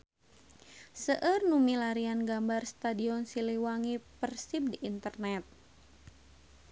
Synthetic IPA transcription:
səʔərnumilaɾianɡambarst̪adiɔnsiliwaŋipərsip̚diʔːnt̪ərnɛt̪̚

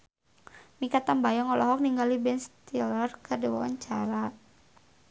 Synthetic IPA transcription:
mikat̪anbajɔŋɔlɔɦɔk̚niŋɡalibɛnst̪ilərkərdiwawa̰ɲt͡ʃaɾa

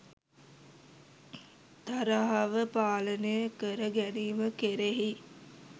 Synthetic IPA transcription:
t̪aɾaɦaʋəpaːlənəjəkəɾəɡæniːməkeɾeɦi

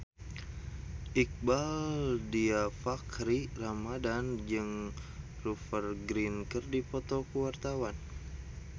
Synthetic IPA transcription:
ʔik̚baldiafakɾiramadand͡ʒɨŋ | rufərɡɾinkərdipɔt̪ɔkəwart̪awan

